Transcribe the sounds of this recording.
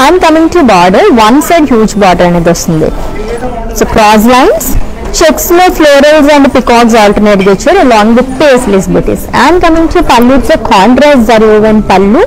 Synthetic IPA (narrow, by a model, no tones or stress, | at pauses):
ãnkɐmĩŋʈubaːɖɐɾʋɐnseɖɦjuːd͡ʒbaːɖɐɾɐneːd̪ost̪und̪ḭ | soːkɾaːs̬lɐɪns | t͡ʃeksleːfloːɾɐlzɐ̃ɳɖpikaːks̬aːlʈɐɾneːʈɡet͡ʃːɐɾɐlɔːŋɡd̪ɐpeːslisbiʈḭsãːnkɐmĩŋʈʰupɐlːuʈsoːkʰaːɳʈɾaːsd͡zɐɾuɡɐʋɐnpɐlːu